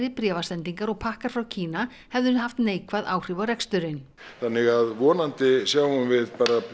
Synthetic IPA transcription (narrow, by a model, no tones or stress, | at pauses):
ɾɪpɾjɛːvasɛnt̪iŋkaɾɔɣpʰahkaɾ̥fɾawcʰiːna | hɛvðʏɾhaft̪neːjkvaðaːwr̥ɪvaɾɛkst̪ʏɾɪn | θanːɪɣaðvɔːnant̪ɪsjaːwʏmvɪðpaːɾa